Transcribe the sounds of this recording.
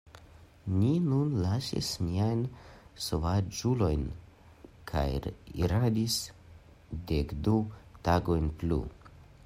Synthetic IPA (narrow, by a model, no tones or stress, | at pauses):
ninunlaʃḭsniajnsovad͡ʒulo̞jn | kʰa̰jḭɾadis | dekdutaɡo̞jnplṵ